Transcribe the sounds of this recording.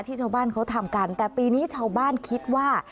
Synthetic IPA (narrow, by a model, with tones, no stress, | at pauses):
t̪ʰiː˥˩t͡ɕʰaː˥˩baː˥˩nkʰa˦˥wt̪ʰa˧mka˧nt̪ɛː˨˩piː˧niː˦˥t͡ɕʰaː˥˩wbaː˥˩nkʰi˦˥t̪̚waː˥˩